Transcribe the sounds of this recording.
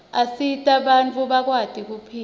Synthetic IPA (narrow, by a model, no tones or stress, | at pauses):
asitʼaɓant͡fʰʼuɓak̬wad̥ʱʼik̬upʰiː